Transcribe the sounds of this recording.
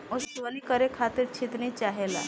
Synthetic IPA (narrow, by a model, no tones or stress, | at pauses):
osʋəlikəɾekʰat̪ɪɾt͡ʃʰɪt̪nit͡ʃaːɦela̰